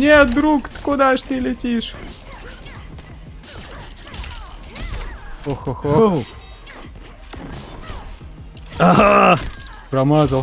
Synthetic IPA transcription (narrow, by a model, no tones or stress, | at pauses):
nʲet̪̚d̪ɾukt̪kʊd̪aʂt̪ɨlʲɪtʲiʂ | oxoxo | aɦa | ɾɐmazɐlˠ